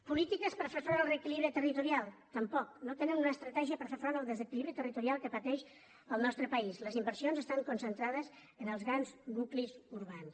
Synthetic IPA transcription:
pulit̪ikəspəɾfeɾfɾɔnəlˠreəːkiliβɾit̪ərit̪uɾialˠt̪əmpɔk̚not̪enənunəst̪ɾət̪ɛʒiəpəɾfefɾɔnəlˠd̪əzəkiliβɾit̪ərit̪uɾialˠkəpət̪ɛʃ | əlˠnɔst̪ɾəpəizləzimbəɾsionzəst̪aŋkunsənt̪ɾaðəz | ənəlˠzɣɾanznuklizuɾβans

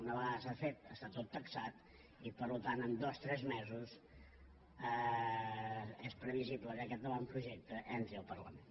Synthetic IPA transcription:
unəβəaðəsafet̪̚əst̪at̪ot̪ːəksat̪ | ipəɾlut̪anəmd̪ost̪ɾɛzmɛzus | ə | espɾəβizibləkəkɛt̪̚d̪əlampɾuʒek̚t̪əʔɛnt̪ɾiəlˠpərlə̰men

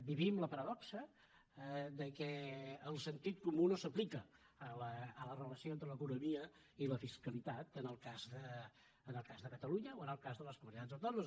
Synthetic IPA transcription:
biβimləpəɾəðɔksə | ðəkɛəlˠsənt̪it̪̚kumunosəplikə | ələːlərələsioent̪ɾələkunumiə | iləfiskəlit̪at̪ənəlˠkazðəː | nəlˠkazðəkət̪əluɲəoənəlˠkazðələskumunit̪anzəwt̪onuz

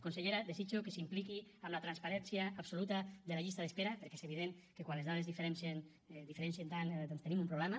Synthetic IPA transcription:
konseʎeɾaðesit͡ʃokesimplikiamlat̪ɾanspaɾɛnsjaːpsolut̪aðelaʎist̪aðespeɾapeɾke̥zeβ̞iðeŋ | kekwanlezðaðezðifeɾɛnsen | d̪ifeɾɛnsent̪and̪ɔnst̪enimumpɾuβlɛma

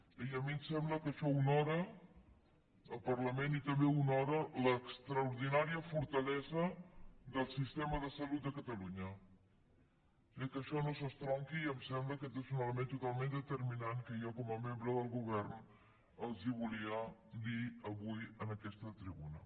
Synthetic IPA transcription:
iəmimsɛmbləkəʃɔunɔɾə | əlˠpərləmenit̪əmbeunɔɾələkst̪ɾəuɾðinaɾiəfuɾt̪əlɛzəd̪əlˠsist̪ɛməðəsəlut̪̚d̪əkət̪əluɲə | əkəʃɔnosəst̪ɾɔŋkiːəmsɛmbləkət̪ezunalmẽnt̪ut̪alˠmend̪ət̪əɾminaŋkəjɔkɔməmembɾəðəlˠɣuβ̞ɛrn | əlˠziβuliəd̪iəβujənəkɛst̪ət̪ɾiβunə

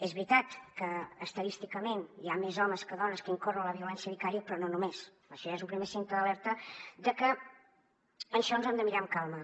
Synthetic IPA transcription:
ezβɾit̪at̪kəːst̪əðist̪ikəmeniamezɔməskəðɔnəskəiŋkorələβiulɛnsjəβikaɾiəpɾɔnonumes | əʃɔaezulˠpɾimesent̪əðəlɛɾt̪əd̪əkə | ənʃɔnzɛmd̪əmiɾaəmkalˠmə

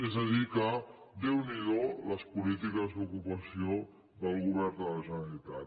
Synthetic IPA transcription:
ezəðikə | d̪ewniðoləspulit̪ikəzd̪ukupəsio | d̪əlˠɣuβ̞ɛrd̪ələʒənəɾəlit̪at̪

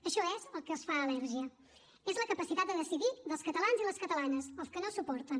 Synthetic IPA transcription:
əʃɔɛzəlˠkəəsfaəlɛɾʒiə | ezləkəpəsit̪at̪d̪əðəsiðiðəlˠskət̪əlanziləskət̪əlanəzəlˠskənosupɔɾt̪ən

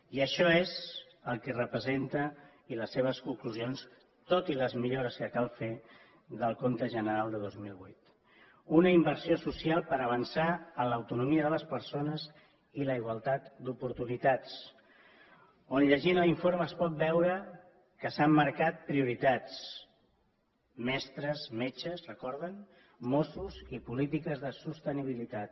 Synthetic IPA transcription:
iəʃɔez | əlˠkɛrəpɾəzent̪ə | iləsːeβ̞əskuŋkluzions | t̪ot̪iləzmiʎoɾəskəkalˠfe | ðəlˠkont̪əʒənəɾalˠd̪əð̞ozmilˠβujt̪ | unəimbəɾsiosusialˠpəɾəβənsaələwt̪unumiəðələspəɾsonəz | iləiɣ̞walˠt̪at̪d̪upuɾt̪unit̪at͡s | onʎəʒinəliɱfoɾməːspɔt̪̚bɛwɾə | kəsamːəɾkat̪̚pɾiuɾit̪at͡s | mɛst̪ɾəzmet͡ʃəzrəkɔɾðən | mosuzipulit̪ikəzðəsust̪əniβ̞ilit̪at̪

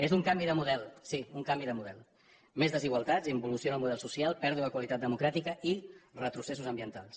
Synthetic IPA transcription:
ezd̪uŋkambiðəmuðɛlˠsiuŋkambiðəmuðɛlˠ | mezðəziɣwalˠt̪ad͡zimbulusionəlˠmuð̞ɛlˠsusialˠpɛɾðuəkwalit̪at̪̚d̪əmukɾat̪ikəirət̪ɾuses̬uzəmbiənt̪alˠs

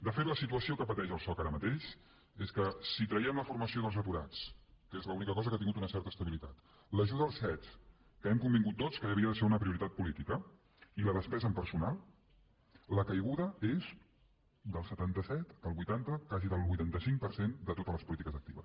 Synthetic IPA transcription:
d̪əfet̪ləsit̪uəsiokəpət̪ɛʒəlˠsɔkaɾəmət̪eʃ | eskəsit̪ɾəiɛmləfuɾməsioðəlˠzəpuɾa̰t͡skəezləunikəkɔzəkat̪iŋɡut̪unəsɛɾt̪əst̪əβilit̪at̪ | ləʒuðəəlˠsɛt͡s | kəɛmkumbiŋɡut̪ːot͡skəəβiəðəseunəpɾiuɾit̪at̪̚pulit̪ikə | iləðəspɛzəmpəɾsunalˠ | əkəjɣuðəez | d̪əlˠsət̪ant̪əsɛt̪əlˠβujt̪ant̪əkaziðəlˠβujt̪ant̪əsiŋk̚pəɾsend̪ət̪ot̪əzləspulit̪ikəzək̚t̪iβə̰s

